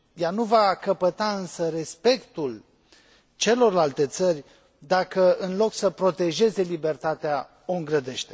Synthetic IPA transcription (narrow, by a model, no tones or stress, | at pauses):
januvakəpət̪aɨnsəre̞spe̞kt̪ul | t͡ʃe̞lo̞rlalt̪e̞t̪sərʲ | d̪akəɨnlo̞ksəpɾo̞t̪e̞ʒe̞ze̞libe̞rt̪at̪ea | o̞ɨŋɡɾəd̪e̞ʃt̪e̞̥